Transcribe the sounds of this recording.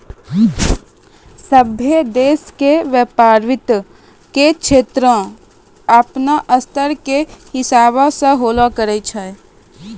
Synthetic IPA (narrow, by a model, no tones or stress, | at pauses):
səbʱjed̪eːskeʋeːpaːɾʋɪt̪ | kekʃʰeːt̪ɾə | əpnaʔəst̪əɾkehɪsaːβaseɦoːlakəɾəit͡ʃʰa